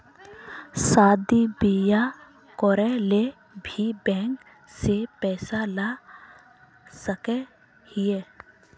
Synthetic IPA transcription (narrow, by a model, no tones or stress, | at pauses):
saːd̪ibija | kɔːɾɛle | bʱibɛ̃ːŋk | sepɛːsala | səke | hɪeː